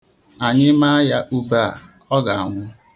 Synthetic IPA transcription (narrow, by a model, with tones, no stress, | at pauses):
a˨ɲɪ˦ma˦a˦ja˦ʔu˦ba˦˨ | ɔ˦ɡa˨a˨ŋʷʊ˦